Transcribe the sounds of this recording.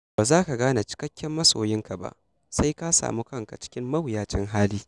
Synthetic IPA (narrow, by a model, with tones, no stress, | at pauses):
baː˨zaː˦ka˨ɡaː˦na˨t͡ʃɪ̥˦kɐ˦kʲːɛ˦mːɐ˦so̰ː˨jɪ˦ŋka˨ba̰˦ʔ | sa˦jka˦sa̰ː˨mu˦kɐ˦ŋka̰˨t͡ʃɪ̥˦kʲɪ˦mːɐ˦wjaː˦t͡ʃɪ˦ŋɦaː˦liː˦